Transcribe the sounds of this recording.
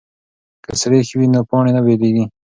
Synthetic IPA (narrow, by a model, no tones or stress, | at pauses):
kəsɾexiwinopɑɳenabeleɡi